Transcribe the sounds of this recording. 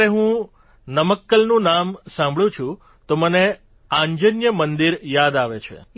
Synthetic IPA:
ɾeɦũ | nəməkːəlnũnamsãmbʱɭjũt͡ʃʰũ | t̪oməne | ãɲd͡ʒənjəmənd̪iɾjad̪aʋet͡ʃʰḛ

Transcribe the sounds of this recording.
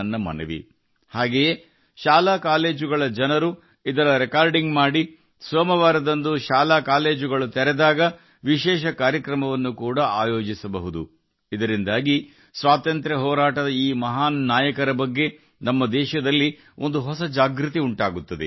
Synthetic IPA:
ɐnːɐmɐ̰nɐʋḭ | haːɡeje | ʃaːlakaːle̞ːd͡ʒuɡɐɭɐd͡ʒɐnɐɾu | id̪ɐɾɐɾekaːɾɖiŋɡmaːɽi | sʋɐmɐʋaːɾɐd̪ɐnd̪uʃaːlaːkaːle̞ːd͡ʒuɡɐɭut̪ɛɾɛd̪aːɡɐ | ʋiʃɛːʃɐkaːɾjɐkɾɐmɐʋɐnːukuːɽɐaːjoːd͡ʒisɐbɐɦud̪u | id̪ɐɾind̪aːɡi | sʋaːt̪ɐnt̪ɾɐɦɔːɾaːʈɐd̪ɐiːmɐɦaːnnːaːjɐkɐɾɐbɐɡːe̞ | nɐmːɐd̪ɛːʃɐd̪ɐlːi | o̞nd̪uɦɔsɐd͡ʒaːɡɾut̪iuɳʈaːɡut̪ːɐd̪e

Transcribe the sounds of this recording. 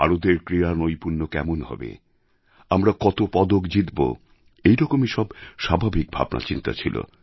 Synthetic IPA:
aɾod̪eɾkɾiɾanojpuɾnokɛ̰monhɔ̰bḛ | amɾakɔt̪opɔd̪okd͡ʑit̪bo̰ | ejɾɔkomeʃɔbʃabʱabʱik̚bʱa̰bnʔa̰t͡ɕint̪a̰t͡ɕʰilo̰

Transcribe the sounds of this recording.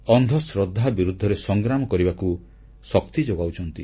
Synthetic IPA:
ɔnd̪ʱɔsɾɔd̪ʱːabiɾud̪ʱːɔɾesɔŋɡɾamɔkɔɾibaku | sɔk̚t̪id͡ʒoɡawt͡ʃʰɔnt̪i

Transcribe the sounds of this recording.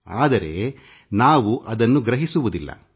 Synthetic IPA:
aːd̪ɐɾe̞̰ | naːʋuʔɐd̪ɐnːuɡɾɐɦisuʋud̪ilːɐ̰

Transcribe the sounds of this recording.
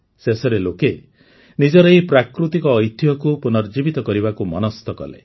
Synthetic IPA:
sesɔɾeloke | nid͡ʒɔɾɔipɾakɾut̪ikɔːjt̪ʰjɔkupunɔɾd͡ʒibit̪ɔkɔɾibakumɔnɔst̪ɔkɔ̰lḛ

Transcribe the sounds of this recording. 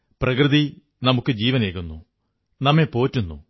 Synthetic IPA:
prɐkrɨði | nɐmukːɨd͡ʑiːʋɐneːkːunːu | nɐmːepo̞ːtːunːu

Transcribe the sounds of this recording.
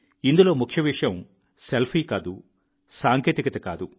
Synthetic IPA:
ind̪ulo̞ːmukʰjɐʋiʂjɐm | selpʰiːkaːd̪u | saːŋkeːt̪ikɐt̪ɐka̰ːd̪u

